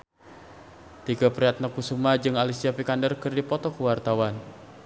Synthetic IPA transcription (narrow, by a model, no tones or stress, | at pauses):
t̪iɡapɾiat̪̚nəkusumad͡ʒɨŋalisiapikandərkɨrdipɔt̪ɔkuwart̪awan